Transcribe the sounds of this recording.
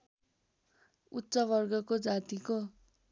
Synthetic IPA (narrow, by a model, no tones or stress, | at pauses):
utːsʌbʌrɡʌkod͡zat̪iko